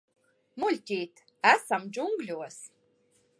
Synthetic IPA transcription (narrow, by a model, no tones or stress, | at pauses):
mulʲtʲijtʰ | æsamd͡ʒuŋɡlʲuwas